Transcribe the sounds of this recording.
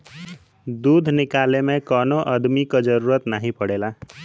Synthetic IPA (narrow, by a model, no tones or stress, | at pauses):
d̪ud̪ʱnɪkaːlemẽkɔːnoʔəd̪mikad͡ʒəɾuːɾət̪naɦĩpəɽela